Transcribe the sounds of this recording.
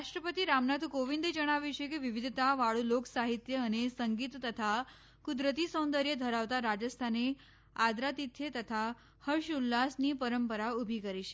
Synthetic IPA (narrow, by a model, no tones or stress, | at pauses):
aʂʈɾəpət̪iɾamnat̪ʰkoʋind̪ed͡ʒəɽ̃aʋjit͡ʃʰekeʋiʋid̪ʱt̪aʋaɭuloksaɦit̪jəːnesəŋɡit̪t̪ət̪ʰa | kud̪ɾət̪isə̃w̃nd̪əɾjəd̪ʱəɾaʋt̪aɾad͡ʒəst̪ʰane | ad̪ɾat̪it̪ʰjet̪ət̪ʰa | həɾʃulːasnipəɾəmpəɾaubʱikəɾiʃe